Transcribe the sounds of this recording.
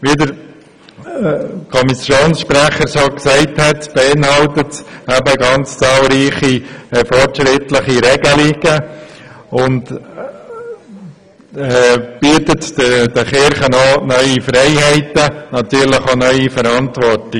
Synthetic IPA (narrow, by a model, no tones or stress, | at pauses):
ʋidəɾ | kʰɔmisjoːnsʃpɾæχəɾsoksɛɪthɛtb̥eɪnhɑltətæbəɡɑnt͡st͡sɑːlɾiːχifɔrtʃɾɪtləχiɾɛɡəliɡ̥ə | ʊnt | ɛb̥yːətətəd̥əχɪɾχənonœʏifɾɛɪhæɪtənɑt̪yːɾlɪχonœʏifəɾɑntʋɔɾtɪ